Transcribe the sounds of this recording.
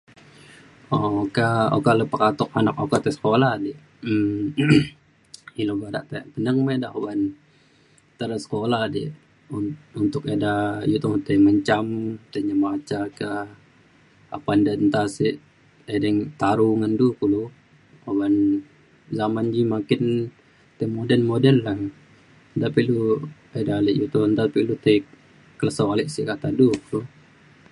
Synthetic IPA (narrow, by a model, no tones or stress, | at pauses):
okao̰kaləpakat̪ʊk̚anak̚okat̪ɛsə̥kolahdɛʔ | ə | iloɡada̰ʔt̪ɛpənəŋmadaoban | t̪əɾəsə̥kolahdɛ̰ʔ | uunt̪ʊk̚edajut̪oŋət̪əməɲt͡ʃamt̪əɲamat͡ʃaka | a̰pandant̪asiʔ | edɛŋt̪aɾuŋandukulu | oban | zamand͡ʒimakɪn | t̪ɛmodɛlmodɛlːa | t̪apilu | edalɛʔjut̪ɔnt̪apilut̪a | kːələsoalɛʔsikat̪adukulu